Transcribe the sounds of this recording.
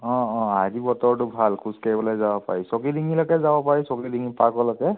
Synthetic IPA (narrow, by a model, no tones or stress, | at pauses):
ɔ̃ɔ̃azibɔtɔɹtʊbʱalkʰuskaɹibɔlɔjzabɔpa̰ɹisɔkidiŋilɔkɛzabɔpaɹisɔkidiŋipakɔlɔkɛ